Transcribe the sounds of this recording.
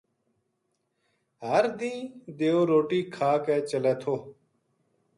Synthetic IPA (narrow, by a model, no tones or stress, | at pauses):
ɦəɾd̪ĩːd̪eːoːɾoːʈiːkʰaːkɛːt͡ʃəlɛːt̪ʰoː